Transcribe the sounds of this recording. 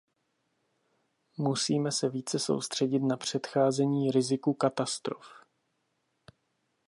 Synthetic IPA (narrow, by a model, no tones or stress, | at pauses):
musiːmɛsɛviːt͡sɛso̞̰wst̪r̝̥ɛɟɪt̪napr̝̥ɛt̪xaːzɛɲiːɾɪzɪkukat̪ast̪ɾo̰f